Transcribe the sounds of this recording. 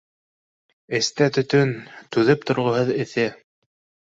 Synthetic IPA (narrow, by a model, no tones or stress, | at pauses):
ɘ̆st̪æt̪ɵ̆t̪ɵnt̪ʉðɘp̚t̪ŏɾʁɤ̆hɤðɘ̆θɘ